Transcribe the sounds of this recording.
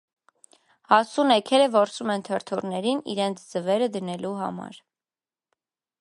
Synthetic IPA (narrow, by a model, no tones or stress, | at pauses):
hɑsunɛkʰɛɾəvɔɾsumɛnt̪ʰəɾt̪ʰurnɛɾinḭɾɛnt͡sʰd͡zəvɛɾəd̪ənɛluɦɑ̰mɑ̰ɾ